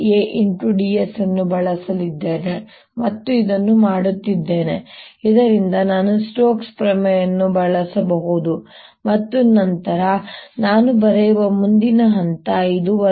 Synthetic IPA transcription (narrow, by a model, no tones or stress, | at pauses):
eːʔiɳʈuɖiːesɐnːubɐɭɐsɐlid̪ːeːne | mɐt̪ːuid̪ɐnːumaːɽut̪ːid̪ːe̞ːneid̪ɐɾind̪ɐnaːnusʈoːkspɾɐmɛjɐnːubɐɭɐsɐbɐɦud̪u | mɐt̪ːunɐnt̪ɐɾɐnaːnubɐɾɛjʋɐmund̪inɐɦɐnt̪ɐid̪uʋɐ